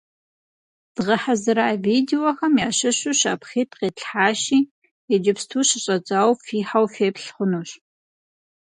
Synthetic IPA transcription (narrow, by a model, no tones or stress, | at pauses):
d̥ʁɐħazɨɾaːviːdewoxɐmjaːɕɨɕʊɕa̰ːpχiːtʰqeːɬħaːɕiː | jɛd͡ʒɪpstʰuːɕɪɕʼɐt͡sʼaːwfiːħawfeːpɬχʷʊnuːɕ